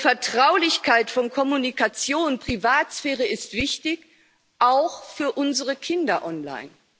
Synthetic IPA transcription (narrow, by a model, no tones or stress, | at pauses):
fɛɐtʁ̥aʊlɪçkʰaɪtfɔnkʰɔmunikat͡sjoːnpʁ̥ivaːtsfɛːʁ̞əɪstv̥ɪçtɪç | ʔaʊxfyːɐʔʊnzəʁəkʰɪndɐʔɔnla̰ɪn